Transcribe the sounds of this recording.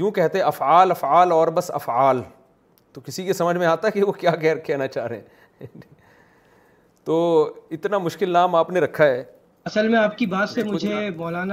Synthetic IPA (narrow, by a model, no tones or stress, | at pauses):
jũːkɛɦt̪eɦɛ̃ɐfʕaːlɐfʕaːlɔːɾbɐsɐ̰faːl | t̪okɪsikesɐməd͡ʒʱmẽaːt̪aɦɛkiʋokjaːkɛɦɾkɛːnat͡ʃaːɾeɛ̰̃ː | t̪oːɪt̪namʊʃkɪlnaːmaːpneɾɐkʰːaɦɛː | ɐsəlmẽaːp̚kibaːt̪semʊd͡ʒʱemɔːlaːna